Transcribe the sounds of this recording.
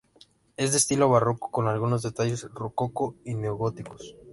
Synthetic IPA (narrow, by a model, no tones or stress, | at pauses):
e̞zd̪est̪ilo̞βaroko̥ko̞nalɣuno̞zðe̞t̪aʝe̞srukokoine̞oɣot̪ikos